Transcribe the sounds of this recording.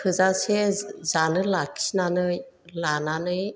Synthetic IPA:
kʰɯzasezanɯlakʰi̥snanɯ | lananɯj

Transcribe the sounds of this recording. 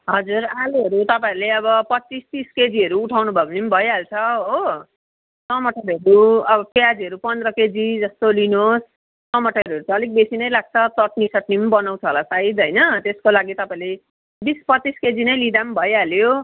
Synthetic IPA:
ɦʌd͡zuɾaluɦʌɾut̪ʌpãiɾleʌβʌpʌt͡sːist̪isked͡ziɦʌɾuːʈʰawnubʱʌbnimbʱʌjalt͡sʰʌɦo | sʌmʌʈʰʌɾʌɾuʌbʌpjad͡ziʌɾupʌnd̪ɾʌked͡zid͡zʌst̪olinosː | ʌmʌʈʌʌɾuʌɾut͡sʰʌʌlik̚besinʌjlaɡ̚t͡sʰʌt̪ʌʈ̚nisʌʈnimbʌnaw̃t͡sʰʌolasaid̪ɦʌjnʌt̪eskolaɡit̪ʌpaĩle | bispʌisked͡zinʌjlid̪ambʱʌjɦaljo

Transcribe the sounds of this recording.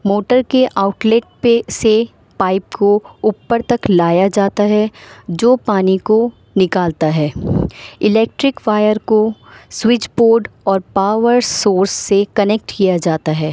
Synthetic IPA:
moːʈəɾkeʔaːʊʈleːʈ̚pese | paːɪp̚koʊpːəɾt̪ɐklaːjad͡ʒaːt̪aɦɛd͡ʒoːpaːniko | nɪkaːlt̪aɦɛː | ɪlɛːk̚ʈɾɪkʋaːjəɾkoswɪt͡ʃboːɾɖɔːɾpaːʋəɾsoːɾsːekɐnek̚ʈkijad͡ʒaːt̪aɦɛː

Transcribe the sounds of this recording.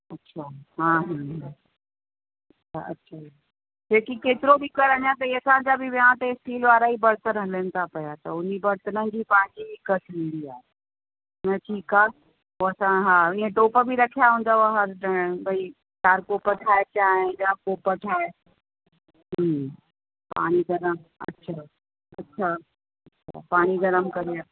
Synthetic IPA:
ɐtːʃʰaːɦãːɦ | ɐ | aɐ̰tːɕʰaː | d͡ʑeːkikeːt̪ɪɾobʱikɐɾɐɲãt̪ɐiɐsãɲd͡ʑabʱiʋiãt̪esʈiːlʋaːɾaibɐɾt̪ənɦɐlənɪ̆t̪ʰapɐjat̪ɐʊnibɐɾt̪ənə̃nd͡ʑipãːɦɪ̃ɲd͡ʑibikəʈĩːnd̪iaːɦe | nɐʈʰiːkaː | oːɐsãɦaːɪ̃ɦẽʈoːpəbʱiɾɐkʰijaɦũːnd̪aaɦɐɾəbʱɐi | ʈaːɾkoːpəʈʰaːet͡ɕaːɦẽd͡ʒaːkoːpəʈʰaːe | ɦ | pa̰ːɽ̃iɡɐɾəmɐ̰tːʃʰaː | ɐ̰tːɕʰaː | ɐtːʃʰa̰ːpaːɽ̃iɡɐɾəmkɐɾiaː

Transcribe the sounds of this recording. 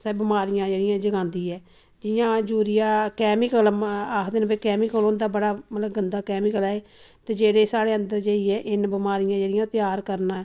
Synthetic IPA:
sɛːbɪmaːɾɪjãːd͡ʒeːɽɪjãːd͡ʒəɡãːnd̪iːɛː | d͡ʒɪjãːd͡ʒuːɾɪjãːkɛːmɪkəlaːkʰd̪eːnabeːkɛːmɪkəlond̪aːbəɽaːmət̪ləbɡənd̪aːkɛːmɪkəlɛːeːt̪eːd͡ʒeːɽeːsaːɽeːə̃nd̪əɾd͡ʒeːiːɛːʔɪnbɪmaːɾɪjãːd͡ʒeːɽɪjãːt̪ɪjaːɾkəɾnãːɛː

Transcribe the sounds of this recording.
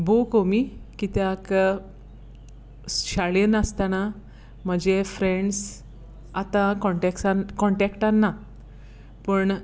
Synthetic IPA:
bokomikit̪jak | ɕaɭenast̪ana | m̤əd͡ʑefɾeɳɖs | at̪ãkɔɳʈɛksankɔɳʈɛkʈanːa | pəɳ

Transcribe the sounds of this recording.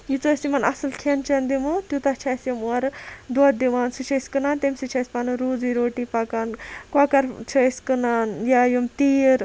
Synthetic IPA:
jit͡soːsimɐnɐ̰sɨlkʰent͡ʃʰɐnd̪imut̪jut̪ɐt͡ʃʰɐsjɐmuɐɾd̪oːt̪̚d̪iʋaːnsut͡ʃʰɐsʲkɨnaːnt̪emsit͡ʃʰɐsʲpanuɾuːd͡ziɾoːʈipakaːnkakɐɾt͡ʃʰɐsʲkɨnaːnjajumt̪iːɾ

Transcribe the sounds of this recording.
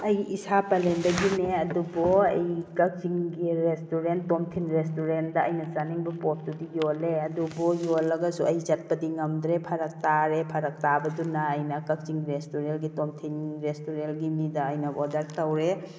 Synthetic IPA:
ɐjisapɐlendɐɡineɐdubɔɐjkɐk̚ziŋɡiɾestuɾentomtʰinɾestuɾendɐɐjnɐzaniŋbɐpɔt̚dudijoleɐdubɔjolːɐɡɐsuɐjzɐt̚pɐdiŋɐmd̪ɾepʰɐɾɐk̚taɾepʰɐɾɐk̚tabɐdunaːjnɐkɐk̚ziŋɾestuɾelɡitomtʰinɾestuɾenɡimidɐːjnɐɔdaɾtɐwɾe

